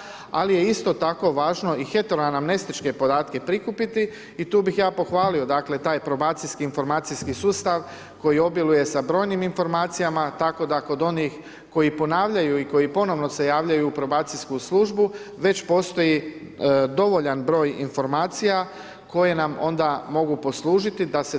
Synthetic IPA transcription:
a̰lije̞ist̪o̞t̪ako̞ʋaːʒno̞ixe̞t̪eɾoanamne̞st̪it͡ʃke̞po̞d̪aːt̪ke̞pɾikupit̪i | it̪uːbixjaːpo̞xʋaːlio̞d̪akle̞t̪aːjpɾo̞baːt̪sijskiːnfo̞ɾmaːt̪sijskisuːst̪aʋ | ko̞jio̞bjeluje̞sabɾo̞ːjniminfo̞ɾmaːt̪sijamat̪ako̞d̪ako̞d̪o̞nix | ko̞jipo̞naːʋʎajuiko̞jipo̞no̞ʋno̞se̞jaːʋʎajuːpɾo̞baːt̪sijskuslˠuːʒbuʋe̞t͡ɕpo̞st̪o̞ji | d̪o̞ʋo̞ʎanbɾo̞ːjḭnfo̞ɾmaːt̪sija | ko̞je̞namo̞̰nd̪amo̞ɡupo̞slˠuːʒit̪id̪ase

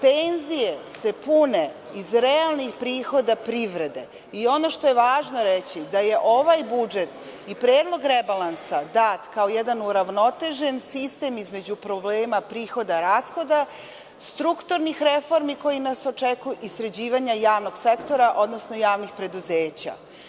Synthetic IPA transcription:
penzijese̞pune̞ | izɾealˠnixpɾiːxo̞d̪apɾiʋɾe̞d̪e̞ | io̞no̞ʃt̪oje̞ʋaːʒno̞ɾet͡ɕid̪aje̞ʔo̞ʋajbud͡ʒe̞t̪ | ipɾeːd̪lˠo̞ɡɾebalˠansad̪at̪kaojed̪anuɾaʋno̞t̪e̞ʒe̞nsist̪e̞mizme̞d͡ʑupɾo̞bleːmapɾiːxo̞d̪aɾaːsxo̞d̪a | st̪ɾukt̪uɾnixɾefo̞ɾmiko̞jinaso̞t͡ʂekujuʔisɾe̞d͡ʑiːʋaɲajaːʋno̞ɡsekt̪o̞ɾaʔo̞d̪nosno̞jaːʋnixpɾe̞d̪uzeːt͡ɕa̰

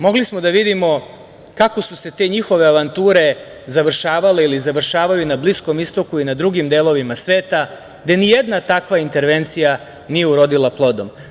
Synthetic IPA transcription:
mo̞ɡlismo̞d̪aʋid̪imo̞ | kako̞suse̞t̪e̞ːɲixo̞ʋe̞aʋant̪uːɾe̞ | zaʋr̩ʃaːʋale̞ilizaʋr̩ʃaːʋajunablisko̞mist̪o̞kuinad̪ɾuɡimd̪e̞ːlo̞ʋimasʋe̞ːt̪a | ɡd̪e̞nijed̪nat̪akʋaint̪e̞ɾʋe̞nt̪sija | nije̞uɾo̞d̪ilˠaplˠo̞d̪o̞m

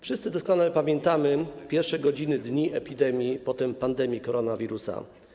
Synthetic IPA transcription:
fʂɨst̪sɘd̪ɔskɔnalɛpamʲjɛnt̪amɘpʲjɛɾfʂɛɡɔd͡ʑinɘd̪ɲiʔɛpʲid̪ɛmʲjipɔt̪ɛmpand̪ɛmʲjikɔɾɔnavʲiɾusa̰

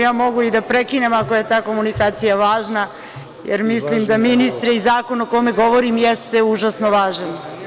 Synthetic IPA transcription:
jaːmo̞ɡuid̪apɾekinemako̞je̞t̪aːko̞munikaːt̪sijaʋaːʒna | jḛɾmislimd̪aminist̪ɾeizaːko̞nokome̞ɡo̞ʋoɾimjɛst̪e̞uʒasnoʋaːʒan

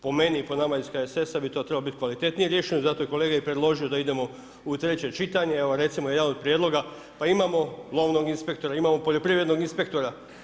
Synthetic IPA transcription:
po̞me̞niːpo̞namaiskaese̞sabit̪o̞t̪ɾebalbit̪ikʋalit̪e̞t̪nijeɾje̞ʃejuzat̪o̞jeko̞le̞ːɡaepɾed̪lˠo̞ʒijo̞d̪aid̪e̞mo̞ | ut̪ɾe̞t͡ɕe̞t͡ʃit̪aɲeeoɾe̞t̪simojed̪ano̞d̪̚pɾje̞d̪lo̞ɡa | paimamo̞lˠo̞ʋno̞ɡinspe̞k̚t̪o̞ɾaimaːmo̞po̞ʎo̞pɾiʋɾe̞d̪no̞ɡinspe̞kt̪o̞ɾa

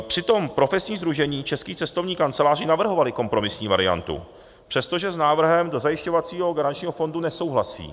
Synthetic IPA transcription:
pr̝̥ɪt̪o̞mpɾo̞fɛsɲiːzd̪ɾuʒɛɲiːt͡ʃɛskiːt͡sɛst̪o̞vɲiːkant͡sɛlaːrɪnavr̩ɦo̞valɪko̞mpɾo̞mɪsɲiːvaɾɪ̰a̰nt̪ṵ | pr̥ɛst̪o̞ʒɛznaːvr̩ɦɛmdo̞zajɪʃcovat͡siːɦo̞ɡaɾant͡ʃɲiːɦo̞fo̞ndunɛso̞wɦlasḭː

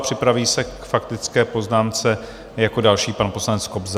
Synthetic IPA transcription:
pr̝̥ɪpɾaviːsɛkfakt̪ɪt͡skɛːpo̞znaːnt͡sɛ | jako̞dalʃiːpanpo̞slanɛt͡skobz

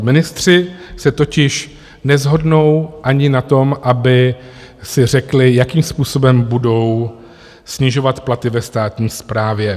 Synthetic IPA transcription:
mɪnɪst̪r̝̥ɪsɛt̪o̞cɪʃ | nɛzɦo̞dno̞wʔaɲɪnat̪o̞mʔabɪ | sɪr̝ɛklɪjakiːmspuːso̞bɛmbudo̞w | sɲɪʒo̞vat̪plat̪ɪvɛst̪aːt̪ɲiːspɾaːvjɛ

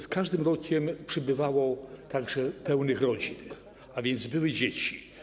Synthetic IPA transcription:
skaʐd̪ɘmɾɔkʲɛmpʂɛbɘvawɔt̪aɡʐɛpɛwnɘxɾɔd͡ʑin | avʲjɛnd̪zbɘwɘd͡ʑet͡ɕi̥

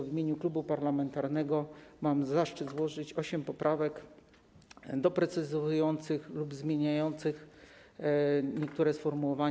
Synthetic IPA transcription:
vʲimʲeɲuklubupaɾlamɛnt̪aɾnɛɡɔmamzaʂt͡ʂɘd̪zwɔʐɘt͡ɕɔɕɛmpɔpɾʔavɛk | d̪ɔpɾɛt̪sɘzjɔnt̪sɘxlubzmʲjeɲajɔnt̪sɘx | ɲɛk̚t̪uɾɛsfɔɾmuwɔva

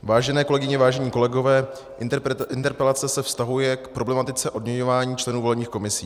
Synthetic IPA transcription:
vaːʒɛnɛːko̞lɛɡɪɲɛvaːʒɛɲiːko̞lɛɡo̞vɛː | ɪnt̪ɛɾpɛlat͡sɛsɛfst̪aɦujɛkpɾo̞blɛmat̪ɪt͡sɛʔo̞dmɲɛɲovaːɲiːt͡ʃlɛnuːvolɛbɲiːxko̞mɪsiː

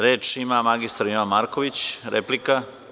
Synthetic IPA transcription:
ɾe̞ːt͡ʂimamaɡist̪aɾiamaɾkoʋit͡ɕɾḛplika

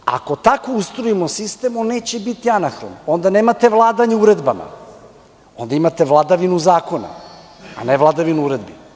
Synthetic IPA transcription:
a̰ko̞t̪akoust̪ɾoimo̞sist̪eːmonːe̞ːt͡ɕebit̪ianaxɾo̰no̞nd̪ane̞ːmat̪e̞ʋlˠaːd̪aɲeuɾe̞d̪bama̰ | o̞nd̪aimat̪evlˠad̪aʋinuzaːko̞na̰ | a̰nevlˠad̪aʋinuuɾe̞d̪bi

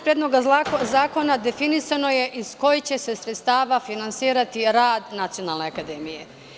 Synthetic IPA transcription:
pɾjed̪lo̞ɡazaːko̞nad̪e̞finisano̞je̞ʔisko̞jit͡ɕe̞sesɾet̪st̪aːʋafinant̪siːɾat̪iɾaːd̪nat̪sijo̞naːlˠne̞akad̪emije

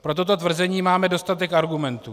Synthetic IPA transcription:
pɾo̞t̪o̞t̪o̞t̪vr̩zɛɲiːmaːmɛdo̞st̪at̪ɛkʔaɾɡumɛnt̪u

